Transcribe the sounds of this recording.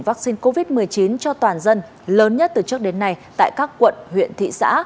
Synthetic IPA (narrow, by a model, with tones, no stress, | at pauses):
ŋvaː˦˥k̚si˧nko˧vi˦˥t̚mɨ˨˩əjt͡ɕi˨˦nt͡ɕɔ˧t̪waː˨˩nzə˧n | ləː˨˦nɲə˦˥t̚t̪ɨ˨˩t͡ɕɨ˦˥ək̚ɗe˨˦nːa˧jt̪a̰ː˧˨jkaː˦˥kːwə̰˧˨nhwḭ˧˨ənt̪ʰḭ˧˨sa̰ː˧˥